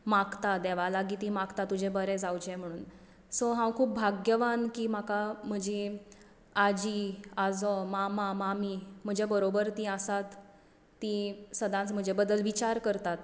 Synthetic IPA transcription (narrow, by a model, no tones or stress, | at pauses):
makt̪ad̪ɛʋalaɡiːt̪ĩmakt̪at̪ːud͡ʑʱebəɾɛd͡zawd͡ʑɛ̃m̤əɽ̃uːn | sɔɦãwkʰuːp̚bʱaɡjəʋankiːm̤akam̤əd͡ʑi | ad͡ʑiad͡zɔmamãmamim̤əd͡ʑabəɾobəɾt̪iəsat̪ː | isəd̪ãnt͡sm̤əd͡ʑebəd̪əlʋit͡ɕaɾkəɾt̪at̪